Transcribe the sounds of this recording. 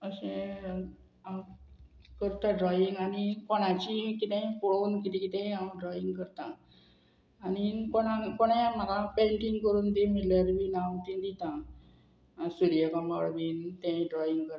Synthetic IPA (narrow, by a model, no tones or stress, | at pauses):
əɕẽ | ãw | kəɾt̪ãɖɾɔiŋɡanikɔɽ̃ãt͡ɕikit̪ɛ̃puɭaunkit̪ĩkit̪ɛ̃ãwɖɾɔiŋɡkəɾt̪ã | nikoɽ̃ãkoɽ̃jaməlapɛ̃ŋkiŋɡkəɾuːnd̪emilaɾʋinawt̪ĩd̪it̪ã | suɾijəkamaɭmint̪ɛ̃ɖɾɔiŋɡkəɾ